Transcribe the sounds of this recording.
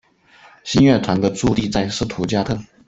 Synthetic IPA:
ɕi˥nɥɛ˥˩t̪ʰwa˧˥nd̪ə˧ʈ͡ʂu˥˧t̪i˥˧t͡sa˥˩ɪʂɻ̩˥˩t̪ʰu˧˥t͡ɕja˥˧t̪ʰɤ˥˩

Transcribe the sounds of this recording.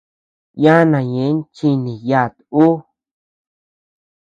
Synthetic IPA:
jã˦nã˨jẽ˨˦n˦t͡ʃi˧nĩ˨ja˦˨t̪u˦

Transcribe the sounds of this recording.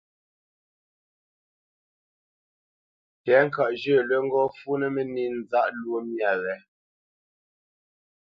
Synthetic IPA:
tɛ˨˦ŋ̩˦˨ka˨ʔd͡ʒə˦˨lwɛ˦ŋ̩˦ɡɔ˦fu˦nɛ˦mɛ˨ni˦˨n˨za˦ʔlwo˦mja˨ɣɛ˨˦

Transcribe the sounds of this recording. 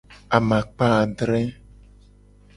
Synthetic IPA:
a˨mã˨k͡pa˦˨ɖɾɛ˦

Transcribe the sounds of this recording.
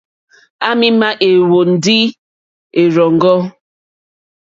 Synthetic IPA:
a˦mi˦ma˦ʔe˨wo˨n̩˨di˦ | e˨ɾɔ˨ŋ̩˨ɡɔ˦

